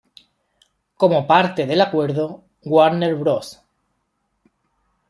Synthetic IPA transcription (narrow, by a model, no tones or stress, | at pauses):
ko̞mo̞paɾt̪e̞ðe̞lakwe̞ɾðo | ɡwaɾneɾβɾos